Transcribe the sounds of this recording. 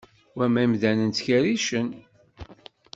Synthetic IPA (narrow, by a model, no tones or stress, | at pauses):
wæmæmðænənt̪çæɾiʃən